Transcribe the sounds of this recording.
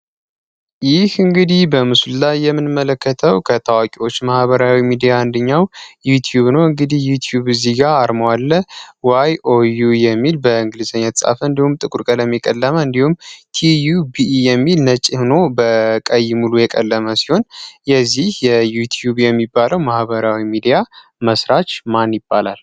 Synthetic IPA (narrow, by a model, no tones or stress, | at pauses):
jɪhɨŋɡɨd̪ihbəmɨsllajːɛmːɨnɨmːələkːət̪ʰəwkʰət̪ʰawakʼiwo̞t͡ʃːmahbəɾawimid̪ijand̪əɲːawjut̪ʰjuβnəwɨŋɡɨd̪ihjut̪ʰjuβɨzːiɡaːɾməwalːəwajʔojujɛmːilbəɨŋɡɨlɨzəɲːat̪sʼa̰fəɨnd̪ihumt̪ʼɨkʼuɾkʼələmːikʼəlːəməɨnd̪ihumt̪ʰijubijɛmːilnət͡ʃʼihno̞bəkʼəjːɪmulujɛkʼə̰lːəməsi̥ho̞njɛzːihjɛjut̪ʰjubjɛmːibːaləwmahβəɾawimid̪ija | məsɾat͡ʃmanjɪbːalal